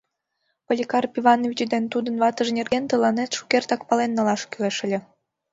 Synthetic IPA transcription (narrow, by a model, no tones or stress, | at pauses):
pəlʲikɑrpʲivɑnovʲit͡ɕd̪ent̪ud̪ənβɑt̪əʒnʲerɣent̪əlɑnet̪ʃu̥kert̪ɑkpɑlenːəlɑʃkyleʃə̆lʲĕ